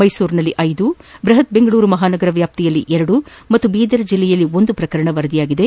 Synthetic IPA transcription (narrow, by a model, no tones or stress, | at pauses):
mɐjsuːɾnɐlːiʔɐjd̪ubɾɐɦɐt̪̚be̞ŋɡɐɭuːɾumɐɦaːnɐɡɐɾɐʋjaːp̚t̪ijɐlːiʔɛɾɐɽumɐt̪ːubiːd̪ɐɾɐd͡ʒilːɛjɐlːio̞nd̪upɾɐkɐɾɐɳɐʋɐɾɐd̪ijaːɡid̪e̞